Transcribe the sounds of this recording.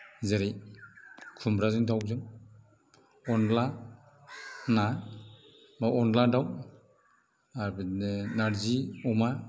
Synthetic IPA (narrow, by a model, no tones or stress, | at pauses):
zaɾij | kʰumɾazɯŋtʰaw̚zɯŋ | ɔnla | na | maɔnladaw | anaɾziɔma